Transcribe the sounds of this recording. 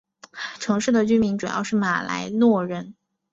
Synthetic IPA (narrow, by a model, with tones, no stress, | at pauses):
ʈ͡ʂʰɤ˧˥ŋʂɻ̩˥˩d̪ə˩t͡ɕy˥mi˧˥ŋʈ͡ʂu˨˩jɑ̰˥˧ʊʂɻ̩˥˩ma˨˩la̰˧˥ɪnwɔ˥˧ɻə˥˩n